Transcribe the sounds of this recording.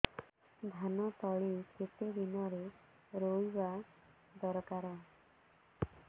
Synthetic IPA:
d̪ʱanɔt̪ɔɭikʰet̪ed̪inɔɾe | ɾojba | d̪ɔɾɔkaɾɔ

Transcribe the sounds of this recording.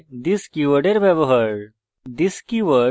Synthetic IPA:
d̪iskiʋəɖeɾʋɛʋəɦəɾ | d̪iskiʋə

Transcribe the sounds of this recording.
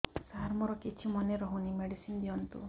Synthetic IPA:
saɾmɔɾɔkit͡ʃʰimɔneɾɔɦunimeɽisind̪iɔnt̪ṵ

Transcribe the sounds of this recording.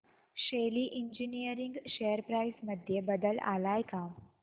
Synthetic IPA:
ɕeliːʔiɲd͡ʑinijəɾiŋɡɕejəɾpɾajsməd̪ʱjebəd̪əla̰lajkam

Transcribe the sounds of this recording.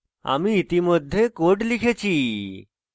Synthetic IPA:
a̰miit̪imod̪ʱːekoʈlikʰet͡ɕʰi

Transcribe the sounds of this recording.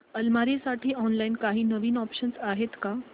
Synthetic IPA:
əlmaɾesaʈʰiːɔnlainkaɦiːnəʋiːnɔpɕənsaɦet̪ka

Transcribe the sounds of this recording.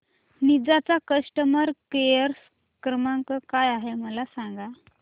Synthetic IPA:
nid͡zat͡sakəsʈəməɾkejəɾs | kɾəmaŋkəkajaɦeməlasãŋɡa

